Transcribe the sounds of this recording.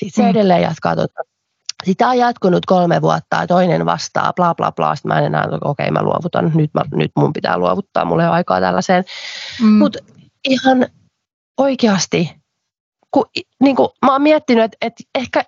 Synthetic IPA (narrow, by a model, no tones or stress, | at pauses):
sit̪seedelːeːjɑ̰t̪kɑ̰ːt̪ot̪ɑ | sit̪ːɑjɑt̪kunyt̪kolmeʋuɑt̪ːɑːt̪oinenʋɑ̰st̪ɑ̰ːplɑːplɑ̰ːplɑ̰ːsi̥t̪mʔæenenæ̰ːnt̪okokḛimæ̰lṵo̰ʋut̪ɑnnyt̪mæny̰t̪mumpit̪æ̰ːluoʋut̪ːɑ̰ːmṵlːeɑikɑ̰ːt̪æ̰lːæseːn | mut̪ | ihɑn | oikeɑst̪i | kuniːŋkumɑːmmiɛt̪ːinyet̪et̪ehkæ